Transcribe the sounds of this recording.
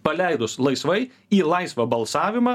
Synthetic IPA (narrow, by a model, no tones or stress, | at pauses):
pɐlʲɛɪd̪ʊslˠɐɪsʋɐɪ | iːlˠɑɪsʋɐbɐlˠsɑːʋʲɪmɑː